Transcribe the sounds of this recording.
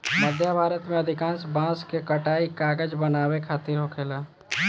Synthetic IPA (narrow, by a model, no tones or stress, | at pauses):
məd̪ʱjabʱaːɾət̪mẽəd̪ʱɪkãːnsbãːskekəʈaːikaːɡəd͡ʒbənaːwekʰaːt̪ɪɾɦokʰeːlaː